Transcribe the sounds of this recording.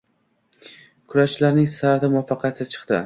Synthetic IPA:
kʰʊɾalaɾnɪŋsaɾt̪ɪmʊɑfɑqʰjat̪sɪzt͡ʃʰɨ̥qt̪ɪ̰

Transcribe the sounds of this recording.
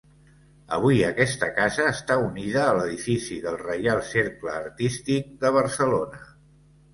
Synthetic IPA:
ə̰β̞uiəkɛst̪əkazəːst̪auniðəːləðifisiðəlˠrəjalˠseɾkləːɾt̪ist̪ik̚d̪əβ̞ərsəlonə

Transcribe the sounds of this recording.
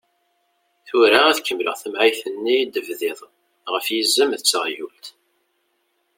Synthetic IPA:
θʊɾaæðkːəmlə̰ʁθəmʕijθənːijd̪əvðɪðˤ | ʁəfjizːəmðət͡sːəʁjult̪

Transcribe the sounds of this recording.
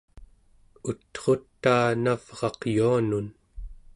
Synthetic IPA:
ut̪χo̞t̪ːaːnav̥ʁɑqjuanun

